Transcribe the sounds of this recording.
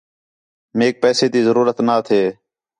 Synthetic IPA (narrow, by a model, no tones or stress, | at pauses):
meːk̚pɛːseːd̪iːzəɾuːɾət̪naːt̪ʰeː